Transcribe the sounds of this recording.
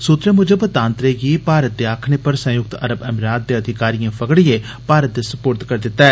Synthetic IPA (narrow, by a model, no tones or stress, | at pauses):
sut̪ɾeːmʊd͡ʒəbət̪ãːnt̪ɾeːɡiːpaːɾət̪̚d̪eːaːkʰneːpəɾsə̃jʊk̚t̪ə̰ɾəbɛːmɾaːt̪̚d̪eːəd̪ʱɪkaːɾijãːpəɡɽieː | paːɾət̪̚d̪eːsəpoːɾt̪kəɾd̪ɪt̪ːaɛː